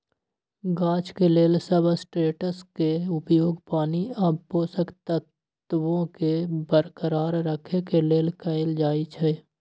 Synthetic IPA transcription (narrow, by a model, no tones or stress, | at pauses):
ɡãːt͡ʃkeleːlsəbsʈɾeːʈəskeʊpjoːɡpaːniɐbːoːsəkt̪ət̪ | ʋõkebəɾkəɾaːɾːəkʰekeleːlkəɪld͡ʒaːit͡ʃʰɛ